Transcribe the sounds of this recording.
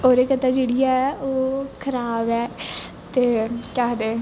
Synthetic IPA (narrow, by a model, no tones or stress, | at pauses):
oːɾeːkət̪aːd͡ʒeːɽijaɛoːkʰəɾaːbɛː | t̪eːkaːɦd̪eː